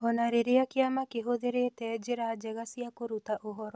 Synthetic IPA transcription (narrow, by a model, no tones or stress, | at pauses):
onaɾiɾijakijamakiɦud̪iɾit̪eːd͡ʒiɾaːd͡ʒeɡasijakuɾut̪aʔuɦoɾo